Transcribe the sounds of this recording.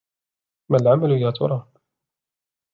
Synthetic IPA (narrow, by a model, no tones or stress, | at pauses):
malʕamalʊjaːt̪ʰʊ̰ɾˤɑː